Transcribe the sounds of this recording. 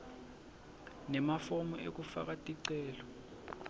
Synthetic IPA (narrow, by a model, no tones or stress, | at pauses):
nɛmafomuʔḛk̬ʼufa̰k̬ʼatʼiǀɛːlɔ